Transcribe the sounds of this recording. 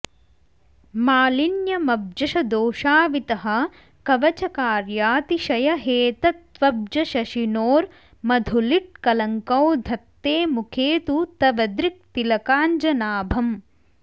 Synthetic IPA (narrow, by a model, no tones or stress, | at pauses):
maːlinjɐmɐb̚d͡ʒɐʃɐd̪oːʃaːʋit̪ɐɦɐ̆ | kɐʋɐt͡ʃɐkaːɾjaːt̪iʃɐjɐɦeːt̪ɐt̪ʋɐb̚d͡ʒɐʃɐʃinoːɾ | mɐd̪ʱuliʈ̚kɐlɐŋkɐwd̪ʱɐt̪ːeːmukʰeːt̪ut̪ɐʋɐd̪ɾik̚t̪ilɐkaːnd͡ʒɐnaːbʱɐm